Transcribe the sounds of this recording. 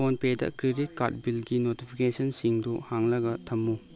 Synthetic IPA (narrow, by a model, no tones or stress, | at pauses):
onpedɐ̰kɾidit̚ka̰t̚bilɡinotipʰikesɐnsiŋduhaŋlɐɡɐtʰɐmːu